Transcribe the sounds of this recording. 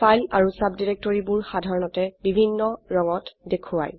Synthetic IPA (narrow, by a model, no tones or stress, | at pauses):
fajlaɹusabdiɹek̚tɔɹibuɹxadʱaɹɔnɔtɛbibʱinːɔɹɔŋɔtdekʰuwa̰j